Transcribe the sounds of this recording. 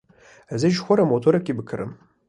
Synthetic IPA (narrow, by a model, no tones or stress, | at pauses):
azɨʒxʷɔɾɐmotʰoɾɐkʲʼibɨkʰɨɾɨ̰m